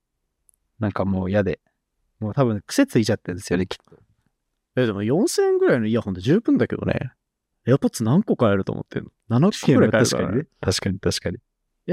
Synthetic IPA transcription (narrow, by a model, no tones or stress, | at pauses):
nãŋkamo̞ːijad̪e̞ | moːt̪aβɯ̟̃ŋkɯ̟̥se̞t͡sɨit͡ɕat̪ːẽnd̪e̞sɨjo̞ne̞kʲʰi̥t̪ːo | jad̪e̞mojõ̞ɰ̃sẽŋɡɯ̟ɾaino̞iahont̪oʑɨːpɯ̟̃nd̪ake̞d̪o̞̰nḛ | epot͡ssɨnãŋkokaeɾɯ̟t̪o̰mot̪ːḛ̃nonanako̥kːɡɯɾak̪aka̰ɲɲinet̪aɕi̥kaɲ̟it̪aɕi̥kaɲ̟i | ja